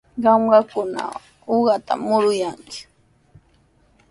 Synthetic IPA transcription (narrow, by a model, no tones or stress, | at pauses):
ɢɑmɢɑkʊna̰ | oɢɑt̪a̰mʊɾʊjaŋkɪ̥